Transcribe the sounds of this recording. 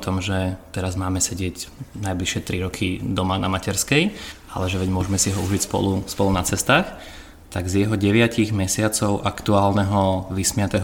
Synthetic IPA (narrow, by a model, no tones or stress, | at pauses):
t̪ɔmʒɛt̪ɛɾazmaːmɛsɛɟɪɛcnajbliʃɪɛt̪ɾiɾɔkʰid̪ɔmanamacɛɾskɛj | a̰lɛʒɛʋɛɟmʊɔʒɛmɛsiɦɔuʒicspɔ̰luspɔlunat͡sɛst̪aːx | t̪aɡzjɛɦɔɟɛʋɪaciɣmɛsɪat͡sɔʊʔakt̪uaːlnɛɦɔʋismɪat̪ɛɦ